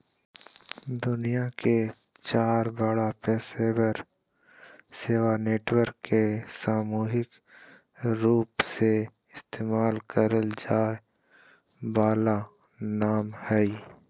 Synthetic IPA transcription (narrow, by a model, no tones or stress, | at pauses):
d̪ʊnijake | t͡ʃaːɾbəɽapɛːsebəɾ | seːwaneːʈwəɾkːesaːmuːɦɪk | ɾuːpse | ɪst̪eːmaːlkəɾəld͡ʒaːe | baːla | naːmhɛi